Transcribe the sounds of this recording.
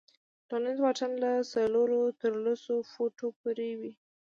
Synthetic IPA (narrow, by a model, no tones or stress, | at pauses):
ʈɑnənzwɑʈanlasaloɾot̪əɾlosofoʈopuɾewi